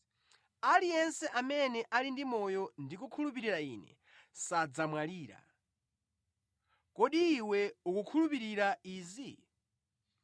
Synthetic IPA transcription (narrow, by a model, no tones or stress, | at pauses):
alijɛnsɛʔamɛnɛʔalindimɔjɔndikukʰulup̬iɾiɾaiːnɛ̰ | sad͡zamwaliːɾa̰ | kɔɗiːwɛukukʰulupiɾiɾaiːzi